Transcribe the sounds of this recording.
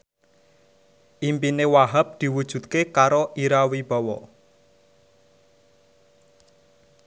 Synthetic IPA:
ʔimpinewaɦap̚d̪̥i̤wud̥ʒ̥ṳt̪kekaɾoʔiɾawib̥a̤wɔ̰

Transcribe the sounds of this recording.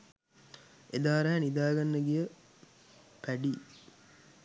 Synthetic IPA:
ed̪aːɾaɦænid̪aːɡɐnːɐɡijə | pæɖi

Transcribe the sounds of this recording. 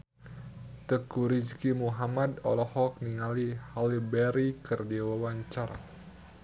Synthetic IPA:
t̪əkuɾiskimuɦamad̪ɔ̰lɔhɔk̚niŋalihalibɛɾikərdiwawaɲt͡ʃaɾa̰

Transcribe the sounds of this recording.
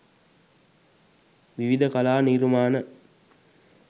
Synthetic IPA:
ʋiʋid̪əkɐlaːniɾmaːnə

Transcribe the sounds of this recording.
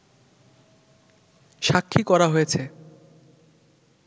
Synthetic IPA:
ʃakʰːikɔɾaɦojet͡ɕʰe

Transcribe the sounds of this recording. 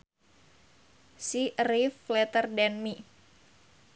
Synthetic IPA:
siriflɛt̪ərdɛnmi

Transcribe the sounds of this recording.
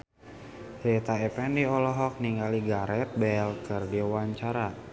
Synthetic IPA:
sɾɛt̪aɛpɛndiɔlɔɦɔk̚niŋɡaliɡaɾɛt̪̚bɛlkɨrdiwaɲt͡ʃaɾa

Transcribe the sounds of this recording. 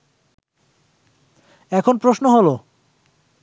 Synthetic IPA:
ɛkʰonpɾoʃnoɦolo

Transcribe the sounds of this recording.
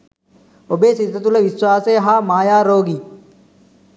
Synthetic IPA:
obeːsid̪ʱːɐt̪ulɐʋiswaːseːɦaːmaːjaːɾoːɡi

